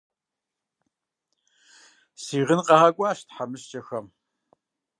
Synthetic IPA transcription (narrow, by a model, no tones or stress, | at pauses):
siːʁənqɑaːkʷʼɑːʃtʰħamɨɕt͡ʃʼɐxɐm